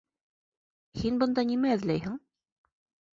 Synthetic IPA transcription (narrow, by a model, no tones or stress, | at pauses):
hinbɤ̆nd̪ɑnimæɘ̆ðlæjhɘŋ